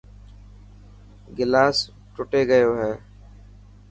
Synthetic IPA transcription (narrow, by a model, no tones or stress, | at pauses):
ɡɪlaːs | ʈʊʈeːɡəjoːɦɛː